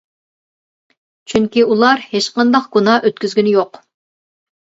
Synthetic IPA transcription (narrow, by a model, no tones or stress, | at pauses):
t͡ʃʰyŋkʲiulˠɑɾheʃqɑnd̪ɑqɡ̥unɑʔøt̪kʲyzɡʲynɪjoq